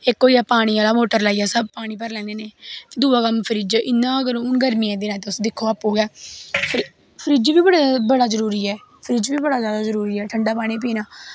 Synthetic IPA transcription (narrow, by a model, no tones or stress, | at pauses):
ekːoːijaːpaːɽ̃iːaːlaːmoːʈəɾlaːiːjaːsəb̚paːɽ̃iːp̬əɾlɛ̃ːneːneːd̪uːaːkəmpʰəɾiːd͡ʒɪnːãːəɡəɾʊnɡəɾmiːɛ̃ːd̪eːnãːt̪eːʊsd̪ɪkʰːoːaːpoːɡaːfʰəɾ | pʰəɾiːd͡ʒʋiːbəɽaːbəɽaːzəɾuːɾiːɛː | pʰəɾiːd͡ʒʋiːbəɽaːzjaːd̪aːzəɾuːɾiːɛːʈʰəɳɖaːpaːɽ̃iːp̬iːnaː